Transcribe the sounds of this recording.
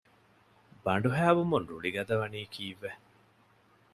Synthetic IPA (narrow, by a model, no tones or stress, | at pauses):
bɐɳɖuɦæːʋumunɾṵɭiɡɐd̪ɐʋɐniːkʰiːʋːe